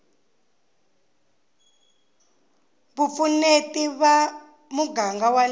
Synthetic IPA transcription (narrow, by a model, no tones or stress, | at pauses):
βufunetiβa | muɡaŋɡawal